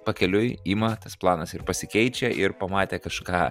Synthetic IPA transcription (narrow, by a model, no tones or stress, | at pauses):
pɐkʲɛlʲʊjimɐt̪ɐsplˠɑːnɐsɪɾpɐsʲɪkʲɛɪt͡ʃʲɛʔɪɾpɐmɑːt̪ʲeːkɐʃkɑː